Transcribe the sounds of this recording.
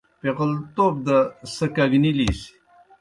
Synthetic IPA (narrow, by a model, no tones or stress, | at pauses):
peqəlt̪oːb̚d̪əsəkaɡnilisi̥